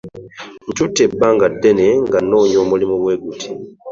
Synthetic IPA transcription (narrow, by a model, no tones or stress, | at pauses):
n̩tutebːaŋɡadːeneŋɡanoːɲomulimuβweːɡutʰi